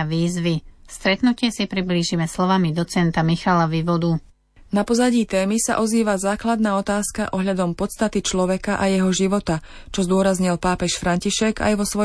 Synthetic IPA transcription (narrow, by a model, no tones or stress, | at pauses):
ʋiːzʋist̪ɾɛt̪nucɪɛsipɾibliːʒimɛslɔʋamid̪ɔt͡sɛnt̪amixalaʋiʋɔd̪u | napɔzaɟiːt̪ɛːmisa̰ʔɔziːʋazaːklad̪̚naːɔt̪aːskaʔɔɦʎad̪ɔmpɔt̪st̪at̪it͡ʃlɔʋɛkaʔajɛɦɔʒiʋɔt̪at͡ʃɔzd̪ʊɔɾazɲilpaːpɛʃfɾaɲciʃɛɡa̰jʋɔsʋɔ